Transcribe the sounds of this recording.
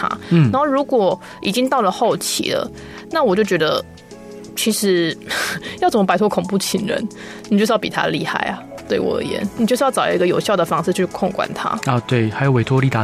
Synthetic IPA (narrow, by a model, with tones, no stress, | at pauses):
t̪ʰa̰˥na˧˦˥xo˥˩ʊɻu˧˥kwɔ˨˩ | i˨˩t͡ɕi˥ŋt̪ɑ˥˩ʊlə˩xo˥˩ʊt͡ɕʰḭ˧˥lə̰˨ | na˥˩wɔ˨˩t͡ɕjo˥˩ʊt͡ɕɥɛ˧˥d̪ə˧ | t͡ɕʰi˧˥ʂɻ̩˧˥ | jɑ˥ʊt͡sə˨˩mə˦pa˥ɪt̪ʰɔ˥kʰʊ˨˩ŋpu˥˩t͡ɕʰi˧˥ŋɻə̰˧˦n | ni˨t͡ɕo˥˧ʂ̩˥jpi˨t̪ʰa̰˥li˥˧xa̰˥˩ɪɐ˩t̪we˥˩ɪwɔ̰˧˩ə̰˧˥jɛ̰˨˩˦nni˨t͡ɕo˥˩ʂ̩˥jɑ˥˩ʊt͡sɑ̰˨˩˧ɡə˧jo˨˩ʊɕjɑ˥˩ʊd̪ə˩fɑ˥ŋʂɹ̩ʰ˥˧˥y˥˧kʰɔ˥˩ŋkwa̰˨˩nt̪ʰa̰˥ɔ˨˧t̪we˥˩ɪa˧˥jo˨˩ʊwe˧˥t̪ʰwɔ˥li˧˩t̪a˨˦